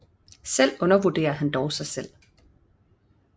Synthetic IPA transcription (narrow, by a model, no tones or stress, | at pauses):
sel̰ɔ̽nɐʋud̥e̝̰ːɐɦænd̥ɒʊsɑ̈ɪsel̰